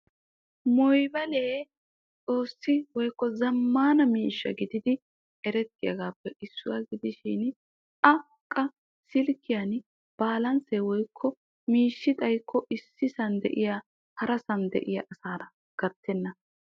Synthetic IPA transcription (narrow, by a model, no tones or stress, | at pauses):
mɔjbɐleː | t͡sʼo̞ːsːɪwɔjkːɔzɐmːaːnɐmiːʃːɐ̰ɡɪd̪ɪd̪ɪ | ɛɾɛt̪ːɪjɐ̰ɡaːpːɛʔɪsːʊwaɡɪd̪ɪʃɪn | ɐ | kʼːɐ | sɪlkːɪjɐn | b̥aːlɐnseːwɔjkʰːɔ | miːʃːɪt̪ʼɐjkʰːɔʔɪsːɪsɐnd̪ɛ̰ʔɪjaː | hɐɾɐsɐnd̪ɛ̰ʔɪjɐʔɐsaːɾɐ | ɡ̥ɐɾt̪ːɛnːɐ